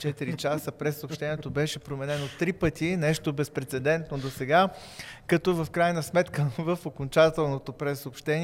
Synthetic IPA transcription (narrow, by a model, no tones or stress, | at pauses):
t͡ʃɛt̪iɾit͡ʃasəpɾɛsːoːpʃt̪ɛnijɛt̪obɛʃɛpɾomɛnɛnot̪ɾipət̪inɛʃt̪obɛspɾɛt̪sɛd̪ɛnt̪nod̪osɛɡa | kɐt̪ɔvəfkɾajnəsmɛt̪kəvəfokont͡ʃat̪ɛlˠnot̪opɾɛsːoːpʃt̪ɛn